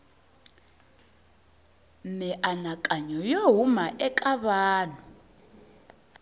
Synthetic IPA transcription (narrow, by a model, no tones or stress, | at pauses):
nɛʔanakʼaɲɔjɔɦumaʔɛkʼaβaːnɔ